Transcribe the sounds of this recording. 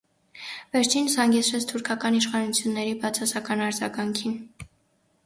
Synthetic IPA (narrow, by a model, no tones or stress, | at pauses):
vɛɾt͡ʃʰinəshɑŋɡɛt͡sʰɾɛt͡sʰt̪ʰuɾkʰɑkɑniʃ̬χɑnut͡sʰjunːɛɾibɑt͡sʰɑsɑkɑnɑɾd͡zɑɡɑŋkʰin